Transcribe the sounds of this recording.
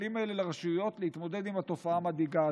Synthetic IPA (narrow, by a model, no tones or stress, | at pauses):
limaelelaʁaʃuujo̞t̪lehit̪mo̞d̪e̞d̪imat̪o̞faaːmad̪iɡaː